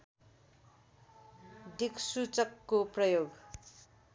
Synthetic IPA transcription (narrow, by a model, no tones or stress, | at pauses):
ɖʱiksut͡sʌkːoprʌjoɡ